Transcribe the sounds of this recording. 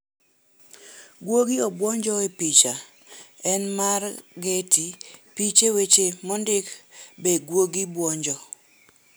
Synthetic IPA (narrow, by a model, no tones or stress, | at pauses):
ɡwoɡiɔbwɔɲd͡ʒɔepit͡ʃa | ɛnmarɡetipit͡ʃewet͡ʃemɔndɪkbeɡwoɡibwɔɲd͡ʒɔ